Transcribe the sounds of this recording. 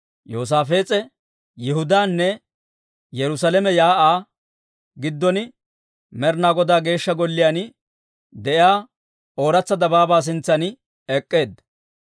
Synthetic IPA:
joːs̬aːfe̞ːt͡sʼɛ | jɛɪɦʊd̪aːnːɛ | jɛɾʊsɐlɛmɛjaːʔaː | ɡɪd̪ːɔnɪ | mɛɾnaːɡɔd̪aːɡe̞ːʃːɐɡɔlːɪjaːnɪ | d̪ɛʔɪaː | oːɾɐt͡sːɐd̪ɐbaːbaːs̬ɪnt͡sːɐnɪ | ɛkʼːe̞ːd̪ɐ

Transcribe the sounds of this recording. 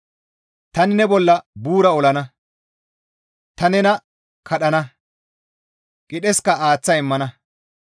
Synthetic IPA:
t̪ɐnɪnɛbɔlːɐbuːɾɐɔlɐnɐ | t̪ɐnɛnɐ | kʰɐɗɐnɐ | kʼɪɗɛskɐaːt͡sːɐɪmːɐnɐ

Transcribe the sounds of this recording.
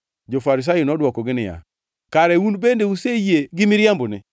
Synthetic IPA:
d͡ʒofaɾis̬ajonɔdwɔkɔɡɪnɪja̰ | kaɾɛwunbendeusejeɡɪmiɾambʊnɛ̰

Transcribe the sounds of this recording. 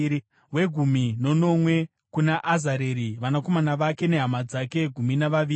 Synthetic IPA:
we̞ɡʱumino̞no̞mwe̞ | kunaʔːzaɾeɾiʋanako̞manaʋake̞ne̞ɦamad͡zake̞ɡʱuminaʋaʋiː

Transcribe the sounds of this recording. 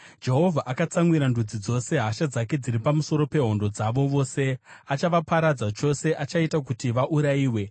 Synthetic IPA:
d͡ʒe̞ɦo̞vʱaʔakat͡saŋwiɾandud͡zid͡zo̞se̞ɦaʃad͡zake̞d͡ziɾipamuso̞ɾo̞pe̞ɦo̞ndo̞d͡zaʋo̞ʋo̞ːse̞at͡ʃaʋapaɾad͡zat͡ʃo̞se̞ʔat͡ʃaitakutiʋaʔuɾaiːwe̞

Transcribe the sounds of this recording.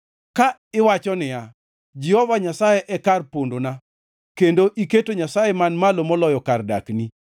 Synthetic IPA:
kaɪwat͡ʃɔnɪja | d͡ʒɛhɔvaɲasajeʔɛkarpondona | kendoʔiketoɲasajemanmalomɔlɔjɔkarda̰kni

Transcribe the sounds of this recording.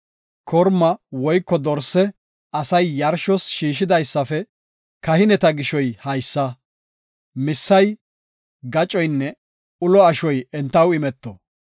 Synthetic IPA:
kʰɔɾmɐwɔjkːɔd̪ɔɾsɛ | ɐsɐjːɐɾʃɔsʃiːʃɪd̪ɐjsːɐfɛ | kɐhɪnɛt̪ɐɡɪʃɔjhɐjsːɐ | mɪsːɐj | ɡɐt͡ʃʼɔjnːɛ | ʊlɔɐʃɔjɛnt̪ːɐwɪmɛt̪ːɔ̰

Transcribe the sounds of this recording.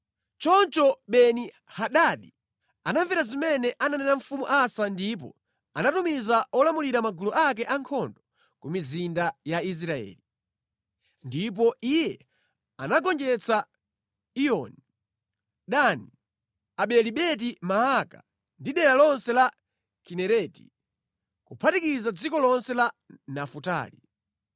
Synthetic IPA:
t͡ʃɔnt͡ʃɔɓɛni | haɗaɗi | anaɱviɾazimɛnɛʔananɛnaɱfumuʔasandip̬ɔ̰ | anatumizaɔlamuliɾamaɡuluʔak̬ɛʔaŋkʰɔndɔ | kumizindajais̬ɾaɛ̰ːli | ndip̬ɔijɛ | anaɡɔnd͡ʒɛt͡sa | iɔni | ɗani | aɓɛliɓɛt̬imaɦaka̰ | ndiɗɛɾalɔnsɛla | kinɛɾɛːti̥̰ | kupʰatikizad͡zikɔlɔnsɛlanafuta̰ːli

